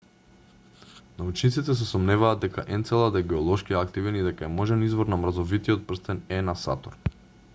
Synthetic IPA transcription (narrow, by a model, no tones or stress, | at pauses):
naut͡ʃnit̪sit̪ɛs̬ɛsɔmnɛvaːd̪ɛkaʔɛnt̪sɛlˠad̪ɛɡɛɔlˠɔʃkiakt̪ivɛnid̪ɛkaɛmɔʒɛnizvɔɾnamɾazɔvit̪iɔt̪̚pr̩st̪ɛnɛnasa̰t̪ɔɾ